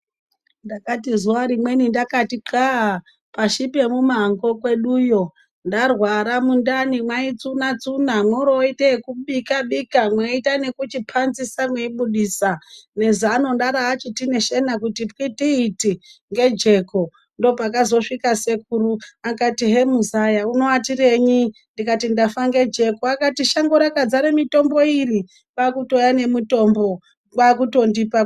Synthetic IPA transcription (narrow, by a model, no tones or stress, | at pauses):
ndakatizuwaɾimwe̞nindakatiǃaa | paʃipe̞mumaŋɡo̞kwe̞ɗuːjo̞ | ndarwaɾamundanimwait͡sunat͡sunamwoɾoiteekuɓikaɓikamweitane̞kut͡ʃipʰanzisamweiɓuɗiːsane̞zano̞ndaɾaːt͡ʃitine̞ʃe̞nakutipkitiːtiŋɡe̞d͡ʒe̞ko̞ | ndo̞pakazo̞ʂikasekuɾuakatiɦe̞muzajauno̞watire̞ɲindikatindafaŋɡe̞d͡ʒe̞koakatiʃaŋɡoɾakad͡zaɾemito̞mbo̞iri | kakuto̞jane̞mito̞mbo̞ | wakuto̞ndipa